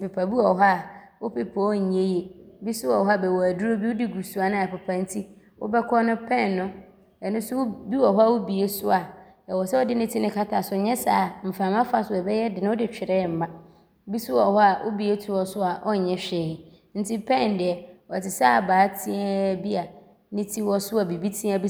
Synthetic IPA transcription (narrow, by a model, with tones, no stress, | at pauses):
pe˨pʰa˨bi˦ɔ˨ɦɔ˦a˦˨wʊ˦pɪ˨pʰa˨ɔ˦˨ɲẽ˦je˦˨bi˦sʊ˦wɔ˨ɦɔ˦a˦bɛ˨wɔ˨æ˨du˦ɾo˦bi˦wʊ˦di˦ɡu˨su˨˦a˨nʊ̃˦˨a˨pɛ˨pʰã˨n̩˦tʰi˦ | wʊ̰˦bɛ˦kʰɔ˦nʊ̃˦pʰɛ̃˦˨nːʊ̃˦ | ɛ˨nʊ̃˦sʊ˦ʊ˦bi˦wɔ˨ɦɔ˦a˦wʊ˦bi˨e˦sʊ˦a˨ | ɛ˨wɔ˨sɛ˦ɔ˦dɪ˦nɪ̃˦tʰi˦nɪ̃˦kʰa˦tʰa˨sʊ˨ɲɛ̃˦saː˦˨m̩˨fãː˨mã˦fa˦sʊ˨ɛ˨bɛ˦jɛ˦dɪ˨nʊ̃˦ʊ˦dɪ˨t͡ɕᶣɪ˨ɾɛ˦˨m̩˨mã˦ | bi˦sʊ˦wɔ˨hɔ˦a˨ʔʊ̰˦bi˨e˦tʰʊ˦wɔ˨sʊ˦a˨ʔɔ˦ɲ̩˨ɲɛ̃˦ɕᶣɛ˨hɪ˨ | n̩˦tʰi˦pʰɛ̃˦˨n˨dɪ˨ɛ˨wɔ˨tʰɪ˨saː˦˨baː˨˦tʰĩ˦ɛ˦bi˦a˨ | nɪ̃˦tʰi˦wɔ˦sʊ˦a˨bi˨bi˦tʰĩ˦a˦bi˦